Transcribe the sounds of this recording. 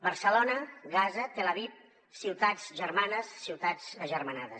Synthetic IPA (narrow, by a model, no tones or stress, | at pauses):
bəɾsəlonəɣazət̪ələβip̚ | siwt̪ad͡zʒərmanəsːiwt̪ad͡zəʒərmənaðə̰s